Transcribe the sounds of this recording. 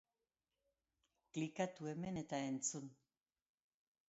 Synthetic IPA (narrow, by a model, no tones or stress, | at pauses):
klikat̪uemenet̪aent͡sun